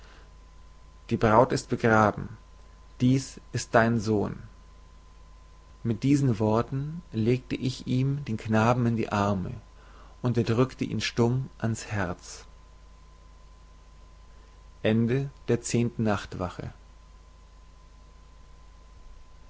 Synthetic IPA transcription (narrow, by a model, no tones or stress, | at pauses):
d̥iːbʁaʊtɪst̚b̥əɡʁaːbm̩ | d̥iːsʔɪst̚d̥aɪnzoːn | mɪt̚d̥iːzn̩vɔɐtn̩leːk̚təʔɪçʔiːmdeːnknaːbm̩ɪndḭːʔaɐmə̰ | ʔʊntɛːɐdʁʏktəʔḭːnʃtʊmʔanshɛɐt͡s | ʔɛndəd̥eːɐt͡seːntn̩nːaχtv̥a̰χə̰